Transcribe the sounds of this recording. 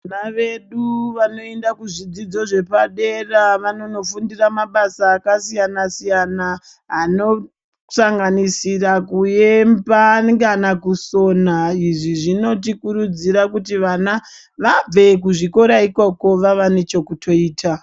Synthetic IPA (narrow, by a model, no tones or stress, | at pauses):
naʋe̞ɗuʋano̞endakuʐid͡zid͡zo̞ʐe̞paɗe̞raʋano̞no̞fundiramaɓasaːkasijanasijana | ɦano̞ | saŋɡanisirakujembakanakuso̞naiʐiʐino̞tikuɾud͡ziɾakutiʋana | ʋab͡ve̞k̬uʐiko̞ɾaiko̞ko̞ʋaʋane̞t͡ʃo̞kutʰo̞iːtʰa